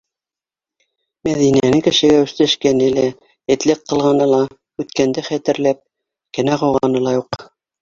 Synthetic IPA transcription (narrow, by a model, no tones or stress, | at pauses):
mæðinænɘŋkɘ̆ʃɘ̆ɡæʉ̆θt̪æʃkænɘlæ | ɘ̆t̪lɘqːɤ̆lˠʁɑnɤlˠɑ | ʉt̪kænd̪æχæt̪ɘ̆ɾlæp̚ | kænæʁɑwʁɑnɤlˠɑjuq